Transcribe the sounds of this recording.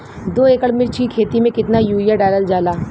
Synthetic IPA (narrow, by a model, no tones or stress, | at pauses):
d̪oːeːkəɽmɪɾt͡ʃʰikʰeːt̪imẽkɪt̪najuːijaɖaːɪɾəld͡ʒaːlaː